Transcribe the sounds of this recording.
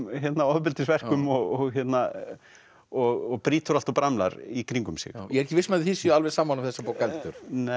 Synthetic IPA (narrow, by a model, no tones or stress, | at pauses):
çjɛt̪naɔðpɪlt̪ɪsvɛr̥kʏmɔɣɔɣçjɛt̪na | ɔɣɔɣpɾiːt̪ʏɾal̥t̪ɔpɾamla̰ɾikɾiŋkʏmsɪ̰ɣjɛɛɾɛhcːɪvɪsmɛðθisialvɛsaːmːanʏmθɛsːapaːwkalt̪ʏɾ̥n